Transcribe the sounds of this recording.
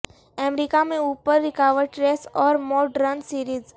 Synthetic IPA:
ɛmɾikamẽuːpəɾːɪkaʋəɾɖʈɾeːsɔːɾmɔːɖɾənsiːɾiːz

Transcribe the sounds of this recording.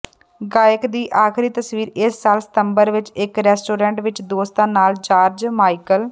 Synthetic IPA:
ɡaːjəkd̪iːʔaːkʰɾiːt̪əsʋiːɾɪsːaːlsɪ̥t̪əmbəɾʋɪt͡ʃɪkɾɛːsʈoːɾɛ̃ːɳʈʋɪt͡ʃd̪oːst̪ãːnaːlt͡ʃaːɾd͡ʒmaːikəl

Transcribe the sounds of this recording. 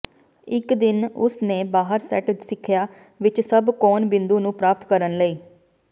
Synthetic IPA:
ɪkd̪ɪnʊsneːbaːɦəɾsɛ̰ːʈsɪkʰjaː | ʋɪt͡ʃsəbkɔːnbɪ̃nd̪uːnũːpɾaːp̚t̪kəɾənləiː

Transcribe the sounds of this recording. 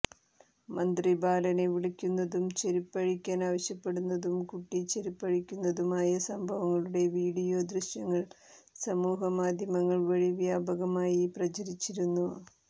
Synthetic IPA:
mɐnd̪ribʱaːlɐne̞ʋiɽɐkʲːunːɐðumt͡ɕeɾipːɐɻikʲːaːnaːʋɐɕjɐpːe̞ɽunːɐðumkuʈːit͡ɕe̞ɾipːɐɻikʲːunːɐðumaːjɐsɐmbʱɐʋɐŋːɐɭuɽe̞ʋiːɽijo̞ːd̪ɾiɕjɐŋːɐɭ | sɐmuːɦɐmaːd̪ʱjɐmɐŋːɐɭʋɐɻiʋjaːbʱɐɣɐmaːjiprɐt͡ɕɐɾit͡ɕːiɾunːu

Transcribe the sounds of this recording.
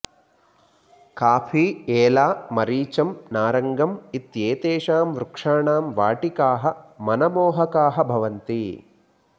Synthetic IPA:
kaːpʰiːeːlaːmɐɾiːt͡ʃɐmnaːɾɐŋɡɐmit̪jeːt̪eːʂaːmʋɾukʂaːɳaːmʋaːʈikaːɦɐmɐnɐmɔːɦɐkaːɦɐbʱɐʋɐnt̪i

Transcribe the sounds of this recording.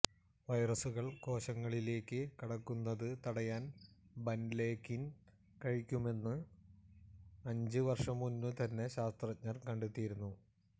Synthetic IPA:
ʋɐjrɐsuɣɐɭko̞ːɕɐŋːɐɭile̞ːkːɨkiɽɐkːunːɐðɨt̪ɐɽɐjaːnbɐnle̞ːkːin | kɐɻikʲːume̞nːɨ | ɐɲd͡ʑɨʋɐrʂɐmːunːɨt̪ɐnːe̞ɕaːst̪rɐt͡ɕɲɐrkɐɳɖet̪ːijiɾunːu

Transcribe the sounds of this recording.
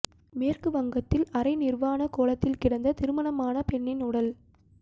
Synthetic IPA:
meːrkɯʋɐŋɡɐt̪ːɪlɐɾɐɪnɪrʋaːnɐkoːlɐt̪ːɪlkɪɽɐnd̪ɐt̪ɪɾɯmɐɳɐmaːnɐpɛɳːɪnʊɽɐl

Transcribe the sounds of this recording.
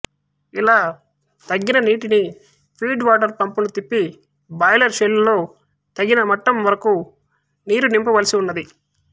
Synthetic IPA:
ilaː | t̪ɐɡːinɐniːʈini | pʰiːɖʋaːʈɐɾpɐmpunut̪ipːi | bɐːjlɐɾʃelulːo̞ː | t̪ɐɡinɐmɐʈːɐmʋɐɾɐku | niːɾunimpɐʋɐlisiunːɐd̪i

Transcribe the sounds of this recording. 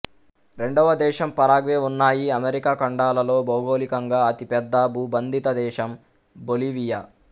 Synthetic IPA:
ɾe̞ɳɖɔʋɐd̪ɛːʃɐmpɐɾaːɡʋeːunːaːjiɐmeɾikaːkɐɳɖaːlɐlo̞ːbɐwɡo̞ːlikɐŋɡaːɐt̪ipɛd̪ːɐbuːbɐnd̪ʱit̪ɐd̪ɛːʃɐm | boliːʋija

